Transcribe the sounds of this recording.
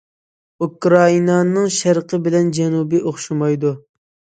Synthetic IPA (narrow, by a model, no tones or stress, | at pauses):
ukɾɑinɑnɨŋʃæɾqʰəbɪlɛnd͡ʒɛnubiʔoχʃumɑjd̪u